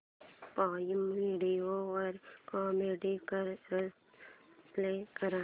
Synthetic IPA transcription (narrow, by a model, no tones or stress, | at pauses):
paːjimiːɖioɔɾkɔːmeːɖikəɾə | pleːkəɾa